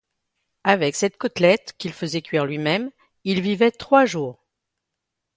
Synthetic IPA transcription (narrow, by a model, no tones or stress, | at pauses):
avɛksɛt̪kɔt̪lɛt̪kʲilfəzɛkɥiʁlɥimɛm | ilvivɛt̪χwaʒuːʁ